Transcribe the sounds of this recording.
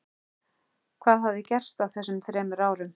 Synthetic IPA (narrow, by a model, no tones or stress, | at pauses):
kʰvaːðɦavðɪcɛr̥st̪awθɛsːʏmt̪ʰɾɛːmʏɾaːwɾʏm